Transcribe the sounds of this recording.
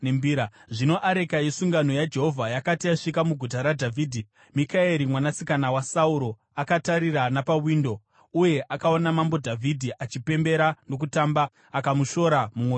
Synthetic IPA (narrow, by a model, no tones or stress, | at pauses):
mbiɾaʐino̞ʔaɾe̞kajesuŋɡano̞jad͡ʒe̞ɦo̞vʱajakatiaʂikamuɡʱutaɾadʱavʱiːdʱi | mikaeɾimwanasikanawasauɾo̞ | akataɾiranapawindo̞ | uje̞ʔakaonamambo̞dʱavʱidʱiʔat͡ʃipe̞mbe̞ɾano̞k̬utambaː | kamuʃo̞ɾamumwo